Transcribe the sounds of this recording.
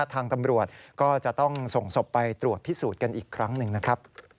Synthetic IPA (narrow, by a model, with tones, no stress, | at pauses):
t̪ʰaː˧ŋt̪a˧mɾu˨˩ət̪̚kɔː˥˩t͡ɕa˨˩ʔt̪ɔ˥˩ŋso˨˩ŋso˨˩pːa˧jt̪ɾu˨˩ət̪̚pʰi˦˥suː˨˩t̪̚ka˧nʔiː˨˩kʰːɾa˦˥ŋnɯ˧ŋna˦˥kʰɾa˦˥p̚